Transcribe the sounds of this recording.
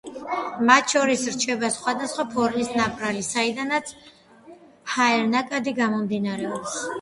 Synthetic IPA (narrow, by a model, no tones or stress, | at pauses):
mat̪ʰʃɔɾisɾt͡ʃʰɛbasχwad̪asχwapʰɔɾmisnapʼɾalisaid̪anat̪sʰ | haɛɾnakʼad̪iɡamɔmd̪inaɾɛɔps